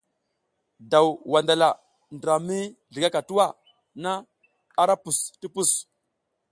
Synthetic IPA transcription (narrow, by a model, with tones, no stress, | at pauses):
da˨wwa˨nda˨la˨ | ndɾa˨mi˦ɮi˨ɡa˦ka˨tu˦wa˦˨ | na˦ | a˦ɾa˦pu˨sti˦pu˦˨s